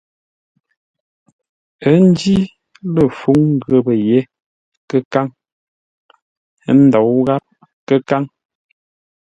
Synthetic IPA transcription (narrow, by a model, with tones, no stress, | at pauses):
ə˦n̩˦d͡ʒi˦ | lə˨fu˦ŋŋ˦ɡə˨bə˨je˦ | kə˦ka˦ŋ˦ | n̩˦dɔ˨wɣa˦p̚ | kə˦ka˦ŋ